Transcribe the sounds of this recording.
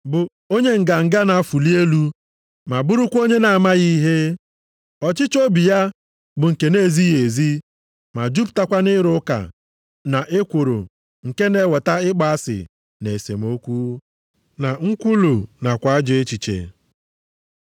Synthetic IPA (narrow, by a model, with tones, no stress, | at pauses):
bʊ˨ | o˦ɲe˦ŋ̩˨ɡa˨ŋ̩˨ɡa˦na˨a˦fu˨li˦e˦lu˦ | ma˨bʊ˦ɾʊ˦kʷo˦ɲe˦na˨a˨ma˦ɣi˦ɦe˦ | ɔ˨t͡ʃɪ˦t͡ʃo˦bi˨ja˦ | bʊ˨ŋ̩˨ke˨ne˦˨zi˦e˨zi˦ | ma˨d͡ʒu˦pta˦kʷa˦nɪ˦ɾʊ˦ka̰˨ | na˨ʔe˦kʷo˨ɾo̰˨ | ŋ̩˨ke˦ne˨˦wɔ˨ta˦ɪ˦k͡pa˨a˦sɪ̰˨ | ne˨sḛ˨m˦o˦kʷu˦ | na˨ŋ̩˦kʷu˦lu˨na˨kʷa˨a˦d͡ʒe˦t͡ʃi˨t͡ʃḛ˨